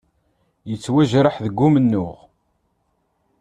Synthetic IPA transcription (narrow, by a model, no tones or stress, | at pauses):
jət͡sːwæʒɾəħðəɡːʊmənːʊʁ